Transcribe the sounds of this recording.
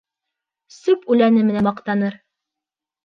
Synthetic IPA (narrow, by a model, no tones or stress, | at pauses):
sʉpʉlænɘmɘ̆næmɑqt̪ɑnɤɾ